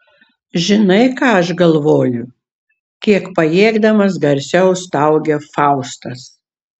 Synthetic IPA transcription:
ʒʲɪnɐɪkɑːɐʃɡɐlˠʋoːjʊ | kʲiɛkpɐjeːɡd̪ɐmɐs̬ɡɐɾʲsʲɛʊst̪ɐʊɡʲɛfɑʊst̪ɐs

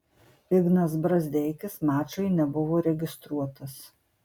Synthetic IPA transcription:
ɪɡnɐsbɾɐzʲd̪ʲɛɪkʲɪsmɑːt͡ʃɐɪnʲɛbʊʋoːɾʲɛɡʲɪst̪ɾuɔt̪ɐs

